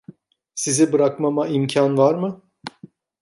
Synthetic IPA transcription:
sizibɯɾakmamaimcʰanvaɾmɯ

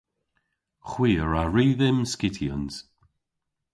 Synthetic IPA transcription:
χwiːəɹaɹiːðɪmskɪtʰiəns

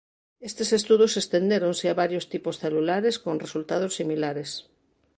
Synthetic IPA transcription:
est̪esest̪uðosest̪end̪eɾoŋseaβaɾjost̪iposθelulaɾeskonresult̪aðosːimilaɾes

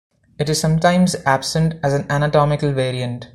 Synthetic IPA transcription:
ɪʈɪz̥sʌ̃mʈãɪ̃mzæb̥sə̃ɳʈæzæ̃nænəʈɔːmɪkəlʋeːɾiə̃ɳʈ

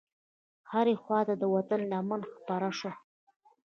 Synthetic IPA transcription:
haɾexwɑt̪ad̪əwat̪ənlɑmanxpɑɾaʂo

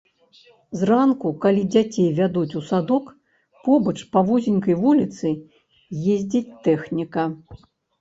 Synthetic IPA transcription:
zrankukalʲid͡zʲat͡sʲejvʲad̪ut͡sʲusad̪ɔk | pɔbɐt͡ʂpavuzʲinʲkɐjvulʲit̪sɨ | jezʲd͡zʲit͡sʲt̪ɛxnʲikɐ

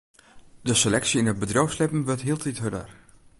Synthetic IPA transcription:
dəselɛksiɪnəd̚bədrowfslɪpn̩ʋøɹtɦiəlˠtitɦødə̰r

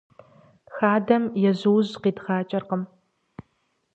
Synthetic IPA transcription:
xaːdɐmjɛʑɨwʑqiːdʁaːt͡ʃʼɐrqəm

